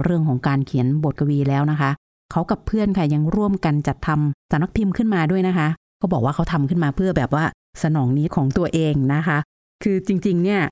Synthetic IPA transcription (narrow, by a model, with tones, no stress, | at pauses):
ɾɯ˥˩əŋkʰɔː˩˦ŋkaː˧nkʰi˨˩˦ənbo˨˩t̪̚kʰa˧wiː˧lɛː˦˥wna˦˥kʰa˦˥ | kʰa˦˥wka˨˩pʰːɯ˥˩ənkʰa˥˩ja˧ŋɾu˥˩əmka˧nt͡ɕa˨˩t̪ʰːa˧msa˨˩˦mna˧˥p̪ʰi˧mkʰɯ˥˩nmaː˧du˥˩əjna˦˥kʰa˦˥ | kʰaː˥˩bɔː˨˩k̚waː˥˩a˦˥t̪ʰa˧mkʰɯ˥˩nmaː˧pʰɯ˥˩ɐbɛː˨˩p̚waː˥˩ | sa˧nɔː˩˦ŋniː˦˥kʰɔː˩˦ŋt̪u˧ɐʔeː˧ŋna˦˥kʰa˦˥ | kʰɯː˧t͡ɕi˧ŋt͡ɕi˧ŋni˥˩ɐ